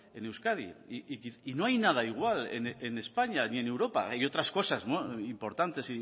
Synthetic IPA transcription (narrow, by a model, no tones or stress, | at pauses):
e̞ne̞wskaðḭikiino̞ajnaðaiɣ̞walḛnene̞spaɲanie̞ne̞wɾo̞pa̰ajo̞t̪ɾasko̞sazmoimpo̞ɾt̪ant̪e̞si